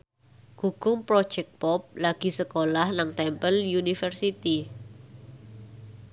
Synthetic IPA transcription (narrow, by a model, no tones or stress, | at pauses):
ɡ̥uɡ̥ʊŋpɾɔ̥ʒ̥ɛk̚t̪̚pɔp̚laɡ̥i̤səkolahnaŋt̪ɛmpəljunifɛrsit̪i